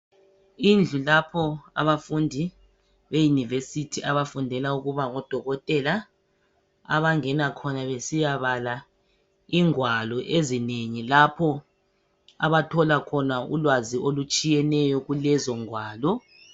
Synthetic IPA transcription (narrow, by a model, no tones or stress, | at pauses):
ind͡ɮʱulapʰɔa̰βafundʱi | βejunivesitʰiʔaβafundʱɛlauɣuβaŋɔd̥ʱɔɣɔtʼɛla | a̰βaŋɛnakʰɔnaβesijaβala | iŋwalɔʔezineŋilapʰɔ | a̰βatʰɔlakʰɔnaṵlwaziʔolut͡ʃʼijɛnɛjɔɣulɛzɔŋwaːlɔ